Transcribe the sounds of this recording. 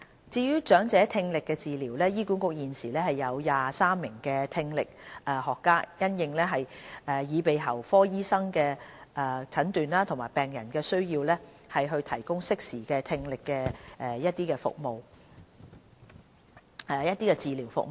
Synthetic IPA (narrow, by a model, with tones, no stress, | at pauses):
t͡siː˧jyː˥t͡ʃœː˨˥ŋt͡sɛː˨˥t̪ʰɪ˧ŋlɪ˨kːɛ˧t͡siː˨liː˨˩wlɛː˥jiː˥kuː˨˥nkʊ˧k̚jiː˨nsiː˨˩lɛː˥hɐ˨jɐ˨˧wjaː˨saː˥mːɪ˨˩ŋkɛː˧t̪ʰɪ˧ŋlɪ˨k̚ʔɛː˨˩hɔː˨kːaː˥jɐ˥njɪ˧ŋlɛː˥ɦɐ˨jɛː˨˩jiː˨˧pe˨˧jɦɐ˨˩wfɔː˥jiː˥sɐ˥ŋkɛː˧ʔɛ˨t͡sʰɐ˨˥nt̪yː˨nlaː˥t̪ʰʊ˨˩ŋmaː˨˩jpɛː˨˩ŋjɐ˨˩nkɛː˧sɵ˥ɥjiː˧wlɛː˥ | hɐ˨jɦɵ˧ɥt̪ʰɐ˨˩jkʊ˥ŋsɪ˥k̚siː˨˩kɛː˧t̪ʰɪ˧ŋlɪ˨kːɛː˧ɛ˨jɐ˥t̚t̪iː˥kɛː˧fʊ̰˨k̚mo˨w | jɐ˥t̪̚iː˥kɛː˧t͡siː˨liː˨˩wfʊ̰˨m